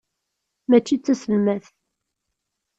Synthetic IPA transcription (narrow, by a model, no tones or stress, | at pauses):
mæt͡ʃːit͡sːæsəlmæθ